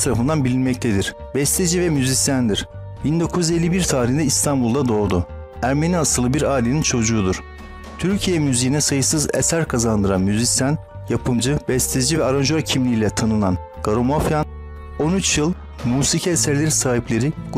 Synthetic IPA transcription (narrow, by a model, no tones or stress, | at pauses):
t̪ʰaɾafɯnd̪anbilʲinmɛc̚t̪ʰed̪iɾ̥ | bɛst̪ʰed͡ʒivɛmyzisjand̪iɾ̥ | bind̪o̞kʰuze̞lʲːibiɾt̪ʰaːɾihnd̪ɛist̪ʰanbulˠd̪ad̪o̞ːd̪u | æɾme̞niasɯlˠɯbiɾaːilʲe̞nint͡ʃʰo̞d͡ʒuːd̪uɾ̥ | t̪ʰyɾcʰijɛmyzejinɛsajɯsɯzɛ̰sæɾkʰazand̪ɯɾa̰nmyzisjan | japʰɯmd͡ʒɯbɛst̪ʰed͡ʒivɛaɾand͡ʒoɾacʰimlʲiilʲɛt̪ʰanɯnan | ɡ̥aɾo̞mafjan | o̞nyt͡ʃjɯlˠ | muːsicʰɛːsæɾlʲeɾisaːɦiplʲe̞ɾi